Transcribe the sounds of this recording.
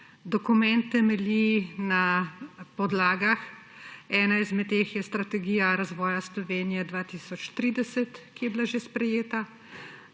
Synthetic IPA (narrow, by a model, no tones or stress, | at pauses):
d̪ɔkumɛnt̪ːɛmɛlinapɔd̪laːɡax | ɛːnaizmɛt̪ːeːxjɛst̪ɾat̪ɛɡiːjaɾazʋɔːjaslɔʋeːnijɛd̪ʋaːt̪isɔt͡ʃt̪ɾiːd̪ɛsɛt̪kijɛbilaʒespɾɛjeːt̪a